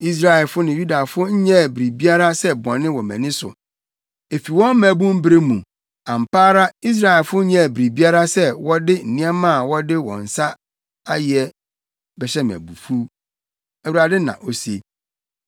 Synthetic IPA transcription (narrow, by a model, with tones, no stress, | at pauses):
i˦s̬ɾa˦˨ɛ˨lfʊ˦nɪ̃˨ju˦da˨fʊ˦ɲ̩˦ɲɛ̃˦˨bɾi˨bi˦a˦ɾa˦sɛ˦bɔ̃˨nːɪ̃˦wɔ˨mɛ̰̃˨nɪ̃˦sʊ̰˨ | e˨fi˨wɔ̃˦m˦mæ̃˨bũ˦m̩˦bɾe˦mũ˨ | ã˨m˨pʰaː˦ɾa˦i˦s̬ɾa˨ɛ˨lfʊ˦ɲɛ̃˦˨bɾi˨bi˦a˦ɾa˦sɛ˦wɔ˦dɪ˦n̩˨nĩ˦a˦mã˦˨wɔ˦dɪ˦wɔ̰̃˨n̩˨sa˦ | a˦jɪ˨ɛ˦ | bɛ˨ɕɛ˦m˨æ̰̃˨bu˨fu˦ | æ˨wu˨ɾa˨dɪ˦nã̰˨ʔo˨se˦